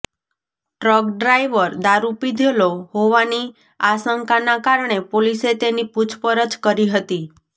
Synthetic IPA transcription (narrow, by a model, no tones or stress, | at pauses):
ʈɾəkɖɾajʋəɾd̪aɾupid̪ʱeloɦoʋani | asəŋkanakaɾɳepoliset̪eniput͡ʃʰpəɾət͡ʃkəɾiɦət̪i